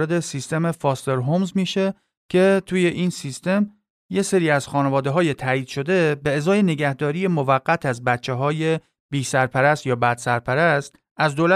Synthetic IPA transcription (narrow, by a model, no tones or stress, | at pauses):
ɾe̞d̪esist̪e̞me̞fɒːst̪e̞ɾɦomzmiːʃe̞ | cʰe̞t̪ʰuːje̞ʔiːnsist̪e̞m | je̞seɾiːæz̥xɒːnevɒːd̪eɦɒːje̞t̪ʰæːiːd̪̥ʃo̞d̪e̞be̞ːzɒːje̞ne̞ɟæhd̪ɒːɾije̞mo̞væɢːæt̪ʰæzbæt̪t͡ʃʰːe̞ɦɒːje̞ | b̥iːsæɾpʰæɾæst̪jɒːbæd̪̥sæɾpʰæɾæst̪ | æzd̪oːlæ